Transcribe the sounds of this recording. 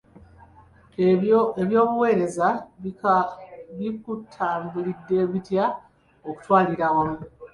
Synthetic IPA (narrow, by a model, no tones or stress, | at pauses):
eβjo̞ːβuwe̞ːɾe̞za | βikutʰːaːmbulidːe̞ːβitja | o̞ku̥twaːliɾawamu